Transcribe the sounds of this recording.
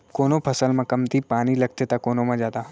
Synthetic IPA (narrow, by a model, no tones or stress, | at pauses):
koːnopʰəsəlmãkɐmt̪ipaːɽ̃ilɐk̚t̪et̪akoːnomãd͡ʒaːt̪a